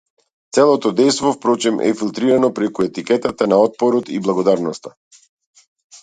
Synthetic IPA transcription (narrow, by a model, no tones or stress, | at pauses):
t̪sɛlˠɔt̪ɔd̪ɛjst̪vɔfpɾɔt͡ʃɛmʔɛ̰filˠt̪ɾiɾanɔpɾɛkuɛt̪ikɛt̪at̪anaɔt̪̚pɔɾɔt̪iblˠaɡɔd̪aɾnɔst̪a